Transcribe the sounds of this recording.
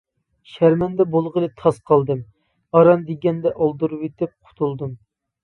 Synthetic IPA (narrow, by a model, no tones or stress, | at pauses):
ʃæɾmɛnd̪ɛbolˠʁəlˠɨt̪ʰɑsqʰɑlˠd̪ɨm | ɑɾɑnd̪eɡʲɛnd̪ɛʔɑlˠd̪uɾupet̪ɪp̚qʰʊ̥t̪ʰulˠd̪ɨm